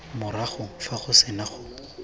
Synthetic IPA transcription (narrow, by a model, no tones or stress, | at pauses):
mʊɾaχʊfaχʊsɪnaχʊ